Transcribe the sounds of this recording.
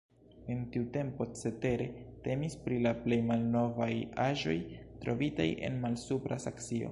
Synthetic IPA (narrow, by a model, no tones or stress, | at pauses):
e̞ntiute̞mpo̞t͡se̞te̞ɾe̞te̞mispɾilaple̞jmalno̞vajaʒo̞jtɾo̞vita̰jʔe̞̰nmalsupɾasaksio̞̰